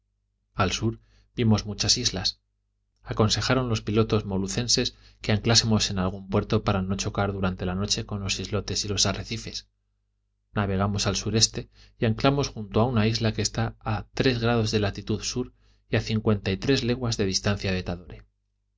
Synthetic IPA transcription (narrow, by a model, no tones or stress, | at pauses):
alsuɾ | bimo̞zmut͡ʃasizlas | ako̞nse̞xaɾo̞nlo̞spilo̞t̪o̞zmo̞luθe̞nse̞s | ke̞aŋklasemo̞se̞nalɣ̞umpwe̞ɾt̪o̞paɾano̞t͡ʃo̞kaɾðuɾant̪e̞lano̞t͡ʃe̞ko̞nlo̞sizlo̞t̪e̞silo̞sareθife̞s | naβ̞e̞ɣ̞amo̞salsuɾe̞st̪e̞iaŋklamo̞sxunt̪oaunaizlake̞ːst̪aːt̪ɾe̞zɣɾað̞o̞zðe̞lat̪it̪uðsuɾ | iaθiŋkwe̞nt̪ait̪ɾe̞zle̞ɣwazðe̞ð̞ist̪an̟θjaβe̞t̪aðoɾe